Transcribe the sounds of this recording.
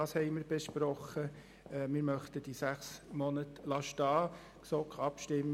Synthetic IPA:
ɑːshɛɪməɾb̥eʃpɾɔχə | ɛmɪːɾmœχtəd̥isæχsmɔnətlɑʃtɑː | ksɔkʰɑpʃtɪmː

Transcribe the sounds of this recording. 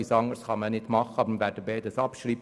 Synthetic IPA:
isɑŋəɾsχɑmənɪtmɑχːəɑbəɾmʋæːɾd̥əbɛːd̪əsɑpʃɾiːb

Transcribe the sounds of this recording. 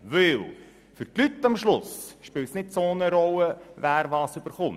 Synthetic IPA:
ʋɪl | fʏɾtlytːɑmʃlʊsʃpɪːltsnɪtsoːnəɾɔləvæːɾʋɑːsøb̥əɾχʊn

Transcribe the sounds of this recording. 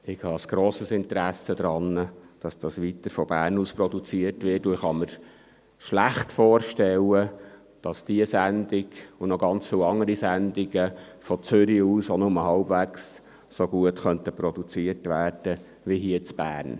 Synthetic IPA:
ɪɡhɑəsɡ̥ɾoːsəsɪntəɾæsəd̥̪ɾɑnːəd̥ɑsd̥ɑsʋitəɾfɔb̥æːrnuːsprɔdut͡siəɾtʋɪrtʊɪχɑməɾ | ʃlæχtfɔːɾʃtɛlə | d̥ɑsd̥iəsænd̥ɪɡʊnɔɡɑnt͡sfiːlɑŋːəɾisændɪɡə | fɔt͡sʏɾiuːsɔnɔməhɑlbvæks | soɡ̥uətχœntəprɔd̥̪ut͡siəɾtʋæːɾd̥ə | ʋiɦiət͡sb̥æːɾn

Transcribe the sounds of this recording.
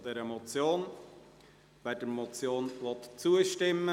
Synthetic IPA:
d̥ɛɾəmɔt͡sjoːn | v̥ɛd̥əɾmɔt͡sjoːnvɔt̪t͡suəʃtɪmːə

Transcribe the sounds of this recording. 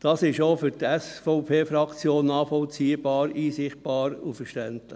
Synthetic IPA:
d̥ɑːsɪʃoːfyɾtɛsfɔʊpʰeːfɾɑkt͡sjoːnːɑːχfɔlt͡siːəb̥ɑːɾiːsɪχt̚b̥ɑːɾṵfəɾʃtɛntlɪ

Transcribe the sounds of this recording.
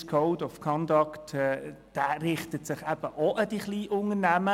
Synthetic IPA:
skʰɔʊdɔfkʰɔndɑktɛ | d̥æːrɪχtətsɪχæb̥əʔɔʔəd̥iχliːʔʊŋəɾnæmə

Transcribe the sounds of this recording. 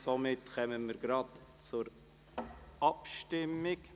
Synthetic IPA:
somɪtkɛmənmiːɾɡɾɑdt͡sʊɾ | ɑpʃtɪmɪk

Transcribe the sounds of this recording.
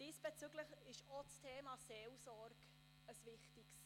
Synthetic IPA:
d̥iːsb̥ɛt͡syɡləχɪʃot͡stʰeːmɑseːlsɔrɡ | əsʋɪχtiks

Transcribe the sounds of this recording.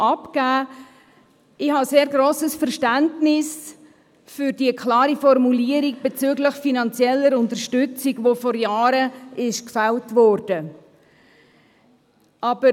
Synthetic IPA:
ɑpkæː | ɪhɑseːɾɡɾoːsəsfɛɾʃtæntnɪs | fʏɾdiəkʰlɑːɾifɔrmuliəɾiɡ̚b̥et͡syɡləxfinɑnt͡sjɛlːəɾʊntəɾʃtʏt͡siɡvofɔɾjaːɾəɪʃkfɛltvɔːɾd̥ə | ʔɑb̥ə

